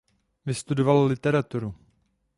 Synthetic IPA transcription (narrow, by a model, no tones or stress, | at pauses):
vɪst̪udovallɪt̪ɛɾat̪uɾu